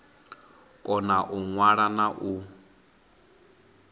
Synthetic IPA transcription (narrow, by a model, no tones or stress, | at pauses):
kʼɔnaʔuŋwaɺanaʔu